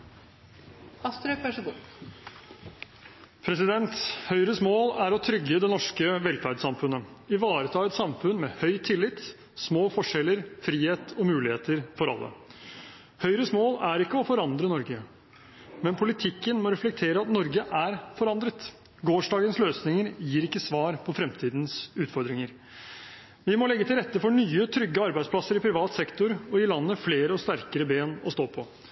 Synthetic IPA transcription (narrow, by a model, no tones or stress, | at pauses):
ɑst̪ɾəpʰæʂəɡu | pʰɾɛsɪd̪ɛnt̪hœʏɾəsmoːlæɾɔt̪ʰɾʏɡːəd̪ɛnɔʂkəʋɛlfæɾɖsɑmfʉnːəɪʋɑːɾət̪ʰɑːɛt̪sɑmfʉnmɛːhœʏt̪ʰɪlːɪt̪ | smoːfɔʂɛlːəɾfɾiːheːt̪ʰɔmʉːlɪheːt̪əɾfɔɾɑ̰lːə̰ | hœʏɾəsmoːlæɾɪkːəɔfɔɾɑnd̪ɾənɔɾɡə | mɛnpʰʊlɪt̪ʰɪkːənmɔɾɛflɛk̚t̪ʰeːɾəɑt̪nɔɾɡəʔæɾfɔɾɑnd̪ɾət̪ | ɡoːʂɖɑːɡənsløːsnɪŋəɾjiːɾɪkːəsʋɑːɾpʰɔfɾɛmt̪ʰiːd̪nsʉːt̪fɔɾd̪ɾɪŋəɾ | ʋɪmɔlɛɡːət̪ʰɪlɾɛt̪ːəfɔɳyːət̪ʰɾʏɡːəɑɾbæɪd̪spʰlɑsəɾɪpʰɾɪʋɑːt̪sɛkt̪ʊɾɔɪlɑnːəfleːɾəɔst̪æɾkəɾəbeːnɔ̰st̪oːpʰɔ